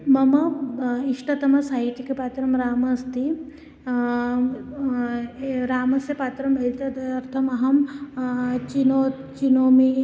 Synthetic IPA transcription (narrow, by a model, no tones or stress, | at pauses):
mɐmɐiʂʈɐt̪ɐmɐsɐiʈikepaːt̪ɾɐmɾaːmɐst̪i | ɾaːmɐsɐpaːt̪ɾɐmbɐlit̪ɐɐɾt̪ʰɐmɐɦɐm | t͡ʃino | t͡ʃinoːmi